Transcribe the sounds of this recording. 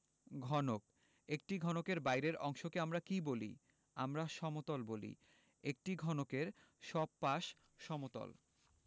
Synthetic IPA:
ɡʱɔnok | ek̚ʈiɡʱɔnokeɾbajɾeɾɔŋʃokeamɾakibolḭ | amɾaʃɔmot̪olbolḭ | ek̚ʈiɡʱɔnokeɾ | ʃɔb̚paʃ | ʃɔmot̪o̰l

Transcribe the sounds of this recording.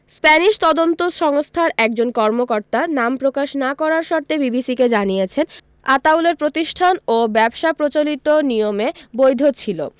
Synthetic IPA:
spɛniʃt̪ɔd̪ont̪oʃɔŋst̪ʰaɾɛk̚d͡ʑonkɔɾmokɔɾt̪anampɾokaʃnakɔɾaɾʃɔɾt̪ʰebibisiked͡ʑanijet͡ɕʰen | a̰t̪awleɾpɾot̪iʃʈʰanobɛbʃapɾot͡ɕolit̪onijomebojd̪ʱot͡ɕʰilo̰

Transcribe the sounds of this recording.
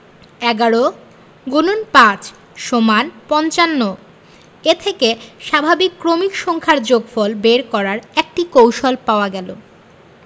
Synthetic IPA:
ɛɡaɾo | ɡonunpãt͡ɕ | ʃomanpɔnt͡ɕanːo | et̪ʰekeʃabʱabikːɾomikʃɔŋkʰaɾd͡ʑoɡfɔlbeɾkɔɾaɾek̚ʈikowʃolpaoaɡɛlo̰

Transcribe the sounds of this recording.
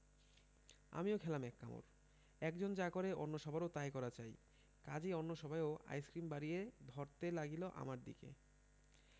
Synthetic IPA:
a̰miokʰɛlamɛkːamo̰ɾ | ɛkd͡ʑond͡ʑakoɾeonːoʃɔbʱaɾot̪ajkɔɾat͡ɕaj | kad͡ʑeonːoʃɔbʱajoʔa̰jskɾimbaɾijed̪ʱɔɾt̪elaɡiloʔa̰maɾd̪ḭkḛ

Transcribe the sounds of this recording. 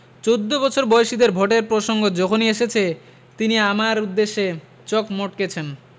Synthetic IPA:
t͡ɕowd̪ːobɔt͡ɕʰoɾbɔeʃid̪eɾbʱoʈeɾpɾoʃoŋɡod͡ʑɔkʰonieʃet͡ɕʰe | t̪iniamaɾud̪ːeʃːe | t͡ɕɔkmoʈket͡ɕʰen

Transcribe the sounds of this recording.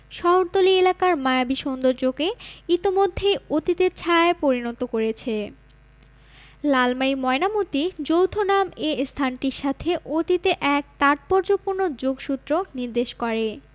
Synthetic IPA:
ʃɔɦoɾt̪olielakaɾmajabiʃond̪oɾd͡ʑoɡeit̪imod̪ʱːejot̪it̪et͡ɕʰaaepoɾinɔt̪okoɾet͡ɕʰe | lalmaimɔenamut̪id͡ʑowt̪ʰonamest̪ʰanʈiɾʃat̪ʰeʔot̪it̪eʔɛk̚t̪aʈ̪̚poɾd͡ʑopuɾnod͡ʑoɡʃut̪ːɾoniɾd̪eʃkɔɾe

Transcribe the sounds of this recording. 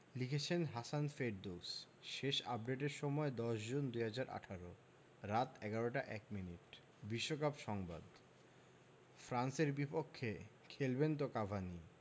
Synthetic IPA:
likʰet͡ɕʰenɦasanfeɖd̪os | ʃeʃa̰p̚ɖeʈeɾʃɔmɔed̪ɔʃd͡ʑond̪ujɦad͡ʑaɾʔa̰ʈʰaɾo | ɾat̪ɛɡaɾoʈaʔɛkminiʈ | biʃːokapʃɔŋba̰d̪ | fɾanseɾbipokʰːe | kʰelbent̪okabʱani

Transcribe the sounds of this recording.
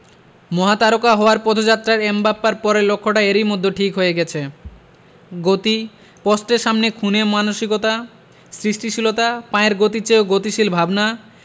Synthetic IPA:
mɔɦat̪aɾokaɦɔoaɾpɔd̪ʱod͡ʑat̪ːɾaɾembapːaɾpɔɾelokʰːoʈaeɾiɾmod̪ʱːoʈʰikɦoeɡɛt͡ɕʰe | ɡot̪i | pɔsʈeɾʃamnekʰunemanoʃikot̪a | sɾiʃʈiʃilot̪apãeɾɡot̪it͡ɕeoɡot̪iʃilbʱabna

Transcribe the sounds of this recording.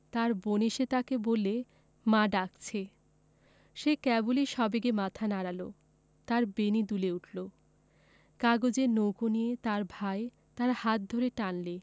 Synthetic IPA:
t̪aɾboneʃet̪akebole | maɖak̚t͡ɕʰe | ʃekɛbuliʃɔbeɡemat̪ʰanaɾalo | t̪aɾbenid̪uleuʈlo | kaɡod͡ʑenowkonijet̪aɾbʱae | t̪aɾhat̪̚d̪ʱoɾeʈanle

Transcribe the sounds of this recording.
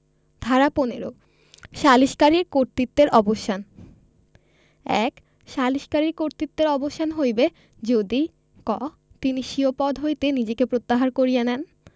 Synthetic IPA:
d̪ʱaɾaponeɾo̰ | ʃaliʃkaɾiɾkoɾt̪it̪ːeɾʔɔboʃan | ɛ̰k | ʃaliʃkaɾiɾkoɾt̪it̪ːeɾɔboʃʰanɦojbe | d͡ʑod̪i | kɔ | t̪iniʃiopɔd̪ʱɦojt̪enid͡ʑekepɾot̪ːaɦaɾkoɾijenɛn

